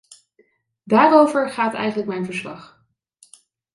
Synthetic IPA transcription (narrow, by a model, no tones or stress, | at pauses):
daːrowvəɹχaːtɛ̰jχənlək̚mɛjnvəɹslɑ̰χ